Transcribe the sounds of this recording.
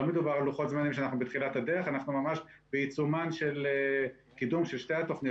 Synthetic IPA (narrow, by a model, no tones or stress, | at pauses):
med̪ubaʁaluχo̞t̪zmanimʃ̬eanaχnubet̪χilat̪ad̪eʁeχanaχnumamaʃbeit͡sumanʃele | kidumʃelʃte̞jat̪o̞χni